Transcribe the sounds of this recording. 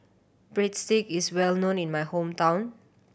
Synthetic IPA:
b̥ɹetstikiswɛlnõnĩnmajhõmtãw̃n

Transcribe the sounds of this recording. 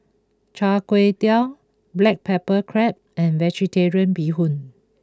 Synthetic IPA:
t͡ʃakwetal | blɛk̚pʰɛpəkʰɹɛp̚ɛ̃nvɛd͡ʒiteɹiə̃nbiɦũn

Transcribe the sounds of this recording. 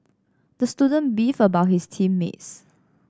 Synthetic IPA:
dəstudə̃nbifəbaʊt̚histʰĩmːḛts

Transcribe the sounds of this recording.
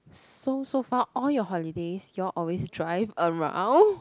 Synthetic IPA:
sosofaʔɔljɔɦɔlidesjulʔɔlwesdɹaɪvəɹã̰w̃n

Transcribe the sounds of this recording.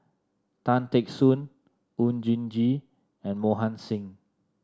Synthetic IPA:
tãntɛksũn | und͡ʒĩnd͡ʒi | ɛ̃nmoɦãnsĩŋ

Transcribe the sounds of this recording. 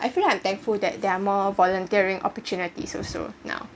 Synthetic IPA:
ʔajfiliãɪ̃mt̪ɛ̃ŋkfuldɛt̚dɛamɔvɔlə̃ntiəɹĩŋʔɔ̰pətjunitḭsɔ̰so̰nã̰ʊ

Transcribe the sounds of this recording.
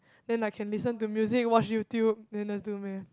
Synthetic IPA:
dɛ̃nakʰɛ̃nlisə̃ntumjuzɪk̚wɔt͡ʃjutjub̚dɛ̃nɛsdumɛ

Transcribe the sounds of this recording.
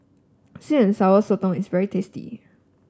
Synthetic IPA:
sɪ̃nsaʊəsotɔ̃ŋɪsvɛɹitʰestḭ

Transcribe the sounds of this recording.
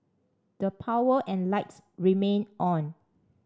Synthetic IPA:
d̥əpʰawəʔɛ̃nlaɪtsɹimẽnʔɔ̃n

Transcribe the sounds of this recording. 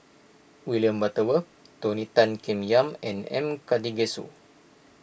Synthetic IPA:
wiljəmbat̪əwə | t̪onit̪ankɛmjamɛnɛ̰mkadiɡesṵ

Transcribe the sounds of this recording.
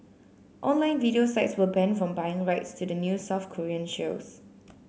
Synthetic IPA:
ʔɔ̃nlãɪ̃nvidiosaɪtswəbɛ̃nfɹɔ̃mbaɪɪ̃ŋɹaɪtstʰudənjusaʊfkʰɔɹiə̃nʃoʊs

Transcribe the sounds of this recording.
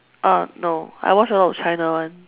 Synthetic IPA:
ʔanoa̰jwɔt͡ʃəlɔtt͡ʃʰãɪnəwãn

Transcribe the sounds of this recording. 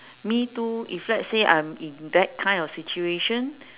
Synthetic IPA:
mituiflɛtseʔã̰jmĩndɛt̚kʰãj̃ndɔfsit͡ʃueʃə̃n

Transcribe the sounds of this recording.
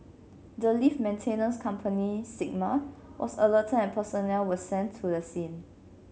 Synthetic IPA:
dəlifmɛ̃ntʰenə̃nskʰãmpʰənisik̚mawʔɔ̰sələtʰə̃nɛ̃npʰəsɔnɛlwəsɛ̃ntʰːudəsĩn

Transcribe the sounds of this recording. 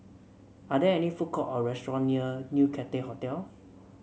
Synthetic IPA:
adɛɛnifukɔʔɔɹɛstɹɔ̃nːiənjukʰɛtehɔtɛl

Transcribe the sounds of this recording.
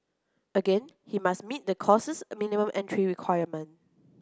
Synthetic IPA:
əɡẽn | himasmit̚dəkʰɔsəsminimə̃mʔɛ̃ntɹiɹikʰwaɪəmə̃n

